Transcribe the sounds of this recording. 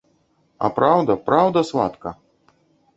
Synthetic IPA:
ɐ̰pɾawd̪ɐpɾawd̪ɐsva̰t̪kɐ

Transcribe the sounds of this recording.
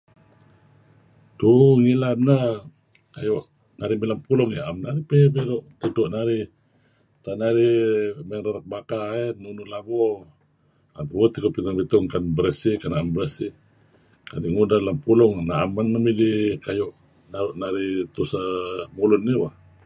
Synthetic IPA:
duŋilanə | kajɔʔ | naɾimilampulɔŋia̰mnaɾipebedɔʔt̪itɔʔnaɾi | t̪anaɾimeɾaɾak̚bakaɛnunulabɔ | a̰nt̪bot̪ikopit̪ɔŋpit̪ɔŋkanbəɾesikanaambəɾəsi | ka̰diʔŋudalampulɔŋnaamːanːamidikajɔʔ | naɾuʔnaɾit̪usamulʊnːiwah

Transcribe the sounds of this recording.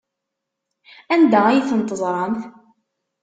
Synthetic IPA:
ænd̪ææjiθənt̪ˤəzˤɾˤɑnθ

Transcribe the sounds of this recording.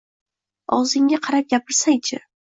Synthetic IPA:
ɒwzɪŋaqʰɑɾap̚ɡʲapʰɪɾsaŋt͡ʃʰɪ

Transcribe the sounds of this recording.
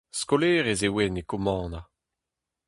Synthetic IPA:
skoleːʁezewɛnekɔmɑ̃ːna

